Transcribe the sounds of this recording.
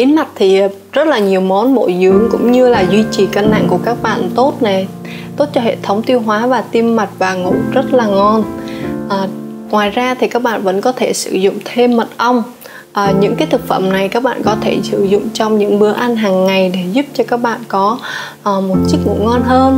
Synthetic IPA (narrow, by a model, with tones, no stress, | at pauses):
ʔi˨˦nma˨˩k̚t̪ʰi˨˩˨ | zə˦˥t̚laː˨˩ɲi˨˩əwmɔ˨˦nɓo̰˧˩jzɨ˨˦əŋkʊ̰˧˥ŋ͡mɲɨ˧laː˨˩zwi˧t͡ɕi˨˩ka˧nna̰˧˨ŋku˧˩əkaː˦˥k̚ɓa̰ː˧˨nt̪o˦˥t̚na˨˩j | t̪o˦˥t̚t͡ɕɔ˧ɦḛ˧˨t̪ʰə˨˦wŋ͡mt̪i˧əwɦwaː˨˦vaː˨˩t̪i˧mːa˨˩jk̚vaː˨˩ŋṵ˧˩zə˦˥t̚laː˨˩ŋɔ˧nʔəː˨˩ | ŋwaː˨˩jzaː˧t̪ʰi˨˩kaː˦˥k̚ɓa̰ː˧˨nvə̰˧˥nkɔ˨˦t̪ʰe˧˩sɨ̰˧˩zʊ̰˧˨ŋ͡mt̪ʰe˧mːə˨˩t̚ʔə˧wŋ͡m | ʔəː˨˩ɲɨ̰˧˥ŋkaː˨˦jt̪ʰɨ˨˩k̚fə̰˧˩mna˨˩jkaː˦˥k̚ɓa̰ː˧˨kɔ˨˦t̪ʰe˧˩sɨ̰˧˩zʊ̰˧˨ŋ͡mt͡ɕɔ˧wŋ͡mɲɨ̰˧˥ŋɓɨ˨˦əʔa˧nɦaː˨˩ŋːa˨˩jɗe˧˩zu˦˥p̚t͡ɕɔ˧kaː˦˥k̚ɓa̰ː˧˨nkɔ˨˦ʔəː˨˩mo˨˩t̚t͡ɕɨ˦˥k̚ŋṵ˧˩ŋɔ˧nɦəː˧n